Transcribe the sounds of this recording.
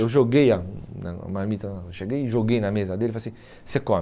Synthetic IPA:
ewʒoɡejana̰a̰malmit̪aʃeɡejʒoɡejnamezad̪elfasij | sekɔ̃

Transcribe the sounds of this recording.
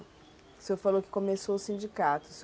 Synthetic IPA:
sofalowkɪ̥kõmesoʊsĩd͡ʒikat̪ʊ̥s

